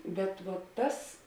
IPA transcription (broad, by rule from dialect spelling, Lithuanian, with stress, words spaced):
ˈbʲɛt ʋoː ˈtɐs